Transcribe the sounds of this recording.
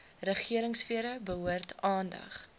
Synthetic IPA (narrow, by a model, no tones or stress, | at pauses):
rəχiəɾəŋsfiəɾəbəɦuərtɑːndɐ̰χ